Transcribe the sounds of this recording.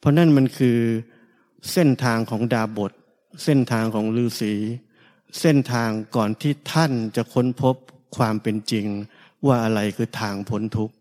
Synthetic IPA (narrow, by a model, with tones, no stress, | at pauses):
pʰɔ˧˥na˥˩nma˧nkʰɯː˧ | se˥˩nt̪ʰaː˧ŋkʰɔː˩˦ŋdaː˧bo˨˩t̪̚ | se˥˩nt̪ʰaː˧ŋkʰɔː˩˦ŋlɯː˧siː˩˦ | se˥˩nt̪ʰaː˧ŋkɔː˨˩nt̪ʰiː˥˩t̪ʰa˥˩nt͡ɕa˨˩kʰo˦˥npʰo˦˥p̚ | kʰwaː˧mpe˧nt͡ɕi˧ŋ | waː˥˩ʔa˧ɾa˧jkʰɯː˧t̪ʰaː˧ŋpʰo˩˦nt̪ʰu˦˥k̚